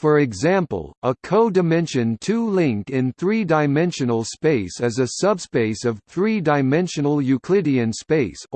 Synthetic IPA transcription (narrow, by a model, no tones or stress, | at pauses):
fə˞ɨɡzæ̃mpə̰l̩ˠəkʰoʊdɨmɛ̃nʃɨ̃ntʰulɪ̃ŋk̚ɪ̃nθɹidaɪmɛ̃nʃɨnl̩ˠspeɪsɨzɨsʌbspeɪsʌv̥θɹidaɪmɛ̃nʃɨ̃nl̩ˠjʉkʰl̥ɪɾiɨ̃nspeɪs